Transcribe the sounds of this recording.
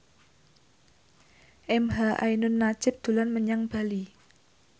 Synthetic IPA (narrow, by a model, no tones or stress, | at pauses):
ʔɛmɦaʔa̰jnʊnːḁd͡ʒ̥ɪp̚d̪̥ṳlanməɲaŋb̥a̤li